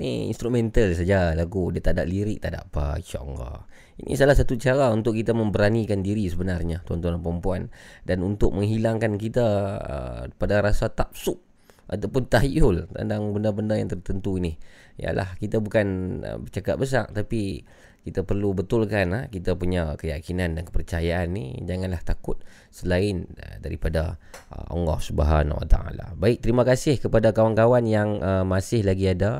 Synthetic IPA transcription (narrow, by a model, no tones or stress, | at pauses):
nḭḭnst̪ɾumɛnt̪alsad͡ʒalaɡudiat̪ada̰ʔliɾɪʔ̚t̪ada̰ʔpa̰t͡ʃɔ̰ŋɡɔ̰ | ḭnʔḭsalahsat̪ut͡ʃaɾaunt̪ʊkːit̪amə̃mbəɾanikandiɾisəbənarɲat͡ʃɔnt̪ɔnanpəɾəmpuandanunt̪ʊk̚məŋɦilaŋkankit̪aə̰padaɾasat̪ap̚sʊʔ̚ | ʔat̪awpʊnt̪aɦiʔʊlt̪a̰ndaŋbəndabəndajaŋt̪ərt̪ənt̪uinija̰la̰hkit̪abukanə̰bət͡ʃakat̪̚bəs̬a̰ʔ̚t̪api | kit̪apərlubət̪ʊlkanakit̪apuɲakəjakinandankəpərt͡ʃajaanːḭd͡ʒaŋanlaht̪akʊt̪̚ | səlaɪnədaɾḭpadaə̰ʔɔ̰ŋɡɔhsəba̰ɦa̰na̰wa̰t̪a̰a̰la̰baɪk̚t̪əɾimakasɪhkəpadakawankawanjaŋʔəmasɪhlaɡiada